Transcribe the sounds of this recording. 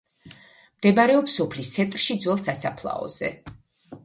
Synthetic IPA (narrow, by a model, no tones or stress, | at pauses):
md̪ɛbaɾɛɔpsɔpʰlist̪sʰɛnt̪ʼɾʃid̪zwɛlˠsasapʰlˠa̰ɔ̰z̥ɛ̰